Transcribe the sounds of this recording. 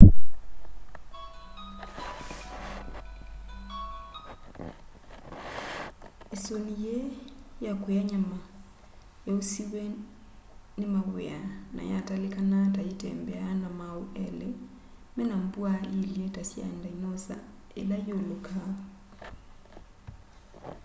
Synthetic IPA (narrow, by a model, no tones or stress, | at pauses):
esonijejakwejaɲama | jaosiwɛ | nemaβḛana̰jatalekanataetɛ̰mbɛaanamaoʔɛle | mɛnambwailjetasja̰ndaimosa̰ | ḛlajoloka